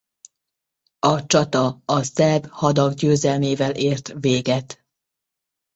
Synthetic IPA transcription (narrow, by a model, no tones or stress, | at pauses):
ɒt͡ʃɒt̪ɒɒsɛbhɒd̪ɒɡɟøːzɛlmeːvɛlʔeːrt̪veːɡɛt̪